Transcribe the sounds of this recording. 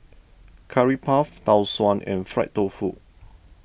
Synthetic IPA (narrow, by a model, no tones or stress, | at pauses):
kʰaɹipʰaftawswɔ̃nʔɛ̰̃nfɹɛ̰ʔ̚tofut̚